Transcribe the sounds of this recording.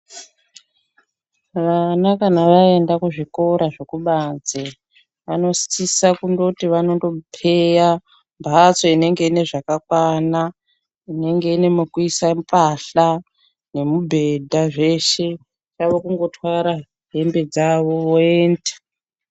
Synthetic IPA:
ʋanakanaʋae̞ndakuʐiko̞ɾaʐekuɓad͡ze | ʋano̞si̥t͡sisakundotiʋano̞ndo̞pʰe̞ja | mbʱat͡so̞ine̞ŋɡe̞ine̞ʐakakwana | ine̞ŋɡe̞ine̞mukuisampʼaɬa | ne̞mubʱe̞dʱaʐe̞ʃe̞ | t͡ʃaʋokuŋɡo̞tʰwaɾa | ɦe̞mbe̞d͡zaʋo̞oe̞ːndḁ

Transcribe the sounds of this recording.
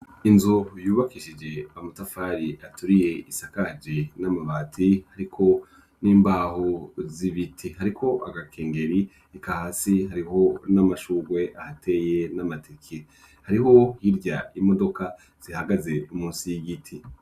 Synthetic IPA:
inzujuːβakiʃid͡ʒe̞amutafaɾiʔatuɾije̞isakad͡ʒenamaβatʰihaɾikʰo̞ | niːmbaːhoziβitʰihaɾikʰo̞ʔaɡakʰe̞ːŋɡe̞ɾi | ikahaːsihaɾiɦo̞namaʃuːɡwe̞ʔahatʰe̞jenamatʰekʰe | haɾiɦo̞hiɾɟaimo̞do̞ka | z̥ihaɡaze̞umuːnsijiɡitʰi

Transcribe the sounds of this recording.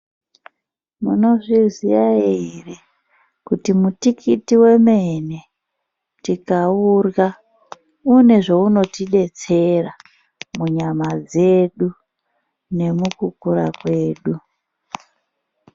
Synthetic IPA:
mṵno̞ʐizijaiire | kutimutikʰitiwe̞mene̞ | tikaura | une̞ʐouno̞tiɗe̞t͡se̞ra | muɲamad͡ze̞ɗu | ne̞mukukuɾakwe̞ːɗu

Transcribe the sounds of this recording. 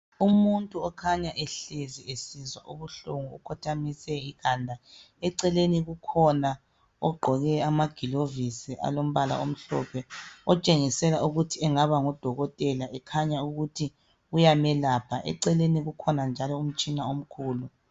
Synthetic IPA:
umuntʼuɔkʰaɲaʔɛɬeziesizwa̰ʔuβuɬuŋuṵkʰɔtʰamisɛiɣaːndʱa | ɛǀɛleniɣukʰɔna | ɔ̰ɡ͡ǃʱɔɣɛamaɡ̥ʱilovisiʔa̰lom̩βala̰om̩ɬɔ̰pʰɛɔt͡ʃʼeŋisɛlauɣutʰiɛŋaβaŋɔd̥ʱɔɣɔtʼɛlaʔɛkʰaɲauɣutʰi | ɣujamɛlaːpʰaʔɛ̰ǀɛleniɣukʰɔnand͡ʒʱalɔum̩t͡ʃʼinaom̩kʰuːlu

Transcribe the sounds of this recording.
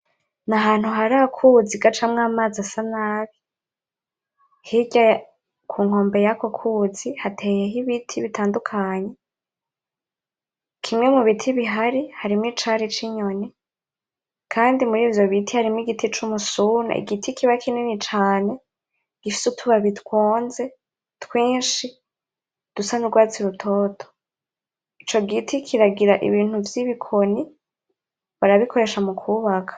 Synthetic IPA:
naɦaːn̥huɦaɾakʰud͡ziɡat͡ʃamŋaːmazasanaːβi | hiɟa | kʰuːŋ̥o̞ːmbe̞jako̞kʰuːz̥ihatʰejeɦiβitʰiβitʰaːndukʰaɲe̞ | kʰimŋe̞muβitʰiβiɦaɾihaɾimwiːt͡ʃaɾit͡ʃiɲo̞ne | kʰaːndimuɾiːvjo̞βitʰihaɾimiɡitʰit͡ʃumusuːna̰ḭɡitʰikʰiβakʰinenit͡ʃaːne̞ | ɡ̥ifi̥sutʰuβaβitkwoːnze̞ | twiːnʃi | d̥usanuɾɡwaːt͡siɾutʰo̞ːtʰo̥ | it͡ʃo̞ɡitʰikʰiɾaɡiɾaʔḭβiːn̥uvjiβikʰo̞ni | βaɾaβikʰo̞ɾe̞ʃamukʰuːβakʰḁ

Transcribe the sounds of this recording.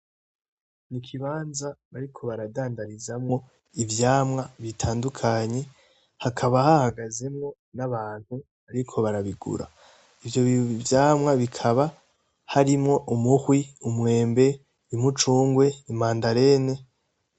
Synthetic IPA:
nikʰiβaːnzaβaɾikʰo̞βaɾadaːndaɾizamŋo̞ | ivjaːmŋaβitʰaːndukʰaɲe̞ | hakʰaβahahaɡaze̞mŋo̞ | naβaːn̥hu | βaɾikʰo̞βaɾaβiɡṵɾa̰ | ivjo̞vjaːmŋaβikʰaβa | haɾimŋo̞ʔumuhwiumwe̞ːmbe̞ | imut͡ʃuːŋɡwe̞imaːndaɾe̞ne̞

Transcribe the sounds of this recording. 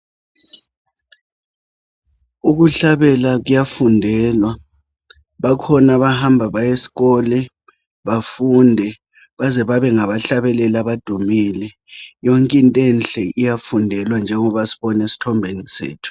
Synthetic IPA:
uɣuɬaβɛlaɣujafundʱɛlwa | βakʰɔnaβahambʱaβajesi̥ɣɔlɛ | βafundʱɛ | βazɛβaβɛŋaβaɬaβɛlɛlaβad̥ʱumiːlɛ | jɔŋkʼintʼɛnɬʼɛijafundʱɛlwand͡ʒʱɛŋɔβasi̥βɔnesi̥tʰɔmbʱenisḛːtʰu̥

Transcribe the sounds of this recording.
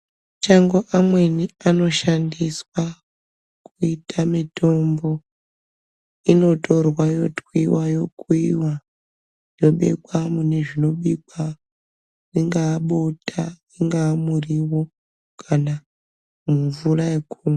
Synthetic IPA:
mut͡ʃaŋɡo̞ʔamwe̞niano̞ʃandiswa | kuitʰamitʰo̞mbo̞ | ino̞to̞rwajo̞twiwajo̞kuiwa | jo̞ɓe̞̰kwamune̞ʐino̞ɓik̚wa | niŋɡaːɓotʰa | iŋɡaːmuriwo̞ | kʰana | muɱvuraekuːma

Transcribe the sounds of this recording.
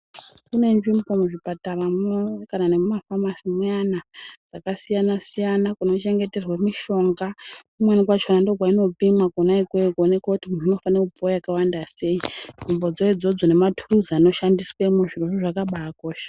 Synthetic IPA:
kune̞nʐimbo̞muʐipataramkananemumafamasimanad͡zakasijanasijanakuno̞t͡ʃe̞ŋɡe̞te̞rwemiʃo̞ŋɡakumwenikwat͡ʃonandoɡʱwaino̞pimakuonaikwekone̞kwakutimununo̞faneupojakawandase̞inʐimbo̞d͡zoid͡zo̞d͡zo̞ne̞matʰuruzano̞ʃandiswemuʐiroʐiʐakaɓaːko̞ːʃḁ

